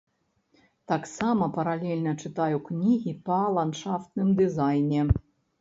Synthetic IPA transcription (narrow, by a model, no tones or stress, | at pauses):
t̪ɑksɑmɐpɐɾalʲelʲnət͡ʂɨt̪ɑjuknʲiɣʲipɑlˠanʂɑft̪nɨmd̪ɨzɑjnʲe